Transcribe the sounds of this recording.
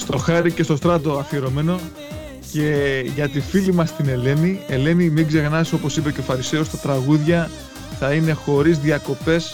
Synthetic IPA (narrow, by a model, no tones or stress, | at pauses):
st̪o̞xɐɾice̞st̪o̞st̪ɾɐt̪oɐθieɾo̞me̞no̞ | ce̞ʝɐt̪ifilimɐst̪ine̞le̞nie̞le̞nimiɡze̞ɣnɐso̞po̞sipe̞ceofɐɾise̞ost̪ɐt̪ɾɐɣuðʝɐ | θɐine̞xo̞ɾizðiɐko̞pe̞s